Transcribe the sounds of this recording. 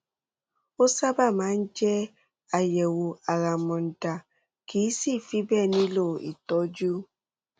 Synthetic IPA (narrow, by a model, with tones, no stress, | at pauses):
o˦sa˦ba˦˨ma˨˦n̩˦d͡ʒɛ˦ | a˨jɛ˨wo˨a˨ɣa˨mɔ˨n̩˨da˨ | kʰi˨˦si˦˨fi˦bɛ˦˨ni˦lo˦˨ḭ˨tɔ˦d͡ʒu˦